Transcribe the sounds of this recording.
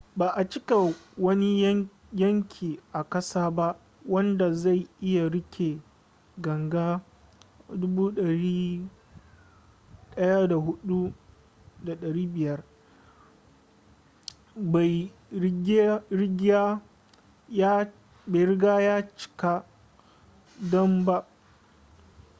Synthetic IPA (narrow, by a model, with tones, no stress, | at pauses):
baː˨ʔa˨t͡ʃɪ˦ka˨wɐ˦ni˦ | jɐ˦ŋkʲʰiː˨ʔa˨kɐ˦saː˦ba˦ʔ | wɐ˦nda˨za˦˨jʔɪ˦ja˨ɽɪ˦kʲʰe˨ | ɡɐ˨ŋɡaː˦ | dʊ˦buː˦ɗɐ˨ɾiː˦ | ɗɐ˦ja˦da˨ɦʊ˦ɗu˦ | da˨ɗɐ˨ɽiː˦bɪ˨jɐ˦r | ba˨˦ | ɡɽɪ˦ɡʲa˦ | ba˨ɾɪ˦ɡaː˦jaː˦t͡ʃɪ̥˨ka˦ | dɔ˦mba˦ʔ